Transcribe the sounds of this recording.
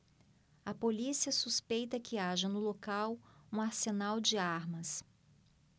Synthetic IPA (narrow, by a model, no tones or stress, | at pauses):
ɐpolisiɐsuspejt̪ɐkɪaʒɐnʊlokawũaɾsenawd͡ʒɪaɾmɐs